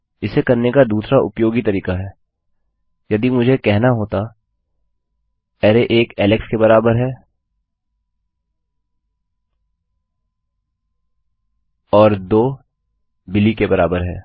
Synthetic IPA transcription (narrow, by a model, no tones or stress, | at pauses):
ɪsekɐɾnekad̪uːsɾaʔʊ̰pjoːɡit̪ɐɾiːkaɦɛː | jɐd̪imʊd͡ʒʱekɛɦnaɦoːt̪a | ɛːɾeʔeːkɛːlɪkskebɐɾaːbəɾɦɛː | ɔːɾd̪oː | bɪlikebɐɾaːbəɾɦɛ̰ː